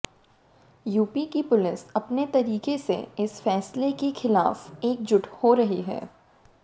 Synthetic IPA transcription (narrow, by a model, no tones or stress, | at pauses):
juːpikipʊlɪsɐpnet̪ɐɾiːkesḛɪsfɛːslekexɪla̰ːfeːk̚d͡ʒʊʈhoɾɐɦiɦɛ̰ː